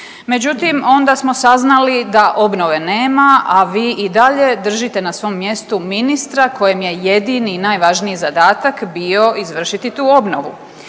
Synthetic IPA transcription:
me̞d͡ʑut̪imo̞nd̪asmo̞saznalid̪aʔo̞bno̞ʋe̞ne̞ːmaʔaʋiːʔid̪aʎe̞d̪r̩ʒit̪e̞nasʋo̞mːje̞st̪uminist̪ɾakʰo̞jemje̞je̞d̪ininaːjʋaʒniizad̪aːt̪akbio̞ʔizʋr̩ʃit̪it̪uːo̞bno̞ʋṵ

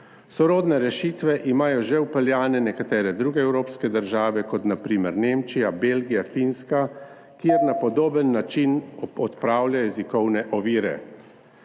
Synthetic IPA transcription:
sɔɾoːd̪nɛɾɛʃiːt̪ʋɛʔimaːjɔʒɛwpɛljaːnɛnɛkat̪ɛːɾɛd̪ɾuːɡɛɛwɾoːpskɛd̪əɾʒaːʋɛkɔt̪napɾiːmɛɾneːmt͡ʃijabeːlɡijafinska | kjeɾnapɔd̪oːbənːat͡ʃinɔt̪pɾaːwlʲjajɛzikɔwnɛʔɔʋiːɾɛ̰

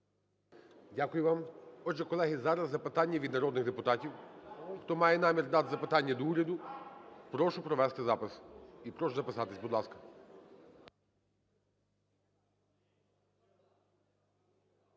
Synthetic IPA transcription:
dʲakʊjʊʋɑmɔdʒɛkɔlˠɛɦizɑɾɐzːɐpɪt̪ɑnʲːɐʋʲid̪nɐɾɔd̪nɪɣd̪epʊt̪ɑtʲiwxt̪ɔmɑjɛnɑmʲird̪ɑt̪zɐpɪt̪ɑnʲːɐd̪ɔuɾʲɐd̪ʊpɾɔʃʊpɾɔʋɛst̪ɪzɑpɪsipɾɔʃʊzɐpɪsɑt̪ɪsʲbʊd̪lˠɑskɐ̥

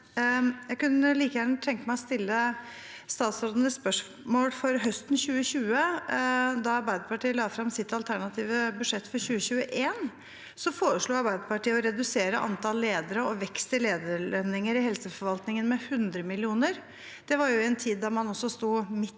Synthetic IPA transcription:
jæɪɡkʉnːəliːkəjæːɾɳət̪ʰɛŋk̪əmæɪɔst̪ɪlːə | st̪ɑːt̪sɔɾd̪n̩əspœʂ | moːlfɔɾɦœst̪n̩çʉːəɕʉːə | d̪ɑɑɾbæɪd̪əpɑʈiːəlɑːfɾɑmsɪt̪ɑlt̪ʰæɳɑt̪ʰiːʋəbʉd̪ʂɛt̪ːfɔɾçʉːəçʉːəʔeːn | sɔfoːɾəʂɭuːɑɾbæɪd̪əɾpɑʈiːəɔɾɛd̪ʉseːɾəʔɑ̰nt̪ʰɑlːeːd̪əɾəɔʋɛkst̪ʰɪleːd̪əɭɛnɪŋəɾɪhɛlsəfɔɾʋɑlt̪nɪŋənmɛhʉnd̪ɾəmɪlɪuːnəɾ | d̪̥ɛʋɑɾjʊɛnt̪ʰiːd̪ːɑɾmɑnɔsːɔst̪uːmɪ

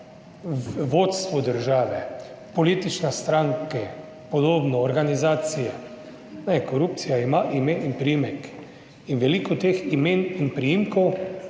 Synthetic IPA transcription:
ʋot̪st̪ʋɔd̪əɾʒaːʋɛ | poliːt̪it͡ʃnɛst̪ɾaŋkɛ | pɔd̪oːbnɔːɾɡanizaːt̪sijɛ | nɛkoɾup̚t̪sijaimaʔimeinpɾijimɛk | inʋɛlikɔt̪eːximeːninpɾijimkɔw

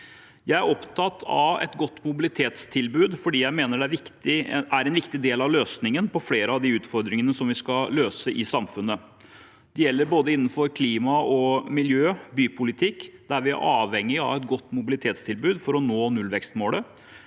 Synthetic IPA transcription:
jæɪæɾʔɔpt̪ʰɑt̪ʰɑ̰ʋɛ̰t̪ɡɔt̪ːmʊbɪlɪt̪ʰeːt̪st̪ʰɪlbʉːd̪fɔɖiːjæɪmeːnəɖɛæɾʋɪkt̪ɪæɾɛnʋɪkt̪ɪd̪eːlɑʋløːsnɪŋənpɔfleːɾəɑʋd̪ɪʉːt̪fɔɾd̪ɾɪŋənəsɔmʋɪskɑløːsəʔɪsɑmfʉnːə | d̪̥ɛjɛlːəɾboːd̪əɪnːən̩fɔɾkʰliːmɑɔmɪljøːbyːpʰʊlɪt̪ʰɪkːd̪æɾʋɪæ̰ɾʔɑːʋɛŋːɪɑ̰ʋɛt̪ɡɔt̪ːmʊbɪlɪt̪ʰeːt̪st̪ʰɪlbʉːd̪fɔɾɔnoːnʉlʋɛkst̪moːlə

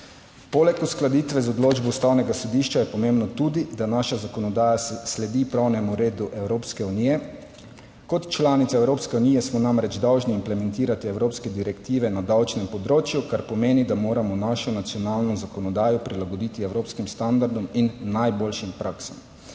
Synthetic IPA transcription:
polɛkusklad̪iːt̪ʋɛzɔd̪loːd͡ʒbɔust̪awnɛɡasɔd̪iʃt͡ʃajɛpɔmembnɔt̪uːd̪id̪anaʃazakɔnɔd̪aːjaslɛd̪ipɾawnɛmuɾeːd̪uʔɛwɾoːpskɛuniːjɛ | kɔt̪t͡ʃlaːnit̪aɛwɾoːpskɛunijɛsmɔnamɾɛd͡ʒd̪awʒniːmplɛmɛ̃nt̪iːɾat̪iɛwɾoːpskɛd̪iɾɛkt̪iːʋɛnad̪awt͡ʃnɛmpɔd̪ɾoːt͡ʃjukaɾpɔmeːnid̪amoːɾamɔnaːʃɔnat̪sjɔnaːlnɔzakɔnɔd̪aːjɔpɾilaɡɔd̪it̪iɛwɾoːpskimst̪and̪aɾd̪ɔminːajboːlʃimpɾʔaːksam

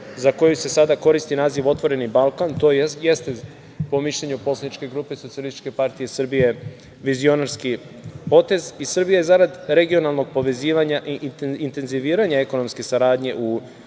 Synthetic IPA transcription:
zako̞juse̞sad̪ako̞ɾist̪inaːziʋo̞t̪ʋo̞ɾe̞nibalˠkant̪ojest̪e | po̞miʃʎe̞ɲupo̞slanit͡ʃke̞ɡɾuːpe̞sot̪sialisit͡ʃke̞paɾt̪ijesr̩bije̞ | ʋizio̞naɾski | po̞t̪e̞zisr̩bijajezaɾad̪ɾe̞ɡio̞nalˠno̞ɡ̚po̞ʋe̞ziːʋaɲaʔiʔiint̪e̞nziʋiːɾaɲae̞ko̞no̞mske̞saɾaːd̪ɲe̞ʔu

